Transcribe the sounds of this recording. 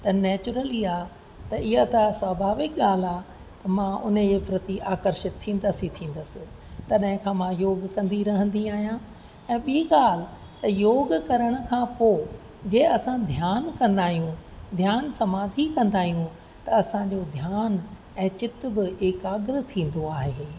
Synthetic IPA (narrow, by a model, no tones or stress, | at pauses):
t̪ɐnɛːt͡ɕʊɾəliaː | t̪ɐɪɦat̪ɐswaːbʱaːʋɪk̚ɠaːl̤aː | t̪ɐmãʊnəd͡ʑeːpɾɐt̪iʔaːkəɾʃɪt̪ʰːĩːnd̪əsit̪ʰĩːn̆d̪əsɪ̆ | t̪ɐɗɦɪ̃kʰãːmãjoːɡkɐ̃nd̪iɾɐɦə̃nd̪iaːɦijã | ɛ̃ːɓiiɠaːl̤ɪ̆ | t̪ɐjoːɡkɐɾəɽ̃ʊ̆kʰãːpoː | d͡ʑeːɐsãd̪ʱjaːnkɐ̃nd̪aːɦijũd̪ʱjaːnsɐmaːd̪ʱikɐ̃nd̪aːɦijũ | t̪ɐɐsãd͡ʑod̪ʱjaːn | ɛ̃ːt͡ɕɪt̪bɪekaːɡɾə̆t̪ʰĩːn̆d̪oaːɦeː